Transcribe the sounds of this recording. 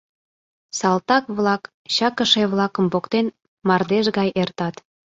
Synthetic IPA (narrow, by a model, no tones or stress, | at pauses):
sɑlt̪ɑkβlɑk | ɕɑkəʃeβlɑkəmpokt̪en | mɑrd̪eʒɣɑjʔert̪ɑt̪